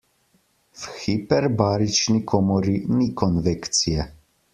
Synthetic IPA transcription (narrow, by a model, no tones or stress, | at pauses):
fxipɛɾbaːɾit͡ʃnikʰɔmɔɾinikɔnvekt̪sijɛ